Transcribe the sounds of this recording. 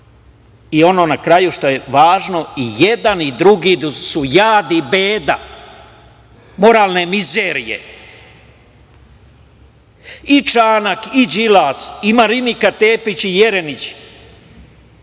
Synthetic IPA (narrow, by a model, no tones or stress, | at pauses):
io̞no̞ːnakɾajuʃt̪o̞jeʋaːʒno̞ijed̪anid̪ɾuɡid̪usujaːd̪ibeːd̪a | mo̞ɾaːlne̞mizeːɾijḛ | it͡ʃaːnakid͡ʒilaːsimaɾinikat̪eːpit͡ɕije̞ɾenit͡ɕ